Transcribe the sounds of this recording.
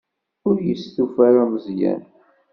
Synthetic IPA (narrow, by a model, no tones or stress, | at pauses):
ʊɾjəsθufaɾaməzjæ̰n